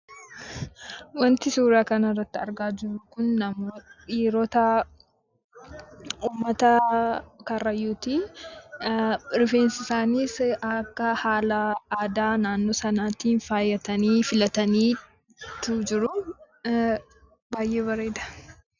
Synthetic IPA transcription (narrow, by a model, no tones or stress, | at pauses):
wɐnt̪ɪsuːɾaːkɐnɐrːɐt̪ːɪɐɾɡaːd͡ʒɪɾʊkʊnːɐmoᶑiːɾɔt̪ɐ | uːmːɐt̪ɐ | kɐrːɐjuːt̪iː | ɾɪfeːnsɪsaːniːsɐkːɐhaːlɐaːd̪aːnaːnːoːsɐnaːt̪iːnfaːjːɐt̪ɐniːfɪlɐt̪ɐniː | t̪ud͡ʒɪɾʊ | baːjʔe̞ːβɐɾe̞ːd̪ɐ̥